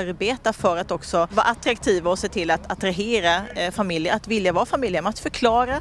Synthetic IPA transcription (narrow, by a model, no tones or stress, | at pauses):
ɾbeːt̪afœɾat̪ɔksɔvɑːɾʔat̪ɾakt̪ʰiːvaɔseːt̪ʰɪlːat̪ʰat̪ɾaɦeːɾafamɪljəɾʔat̪vɪljavɑːfamɪljəmɛat̪fœɾkʰlɑːɾa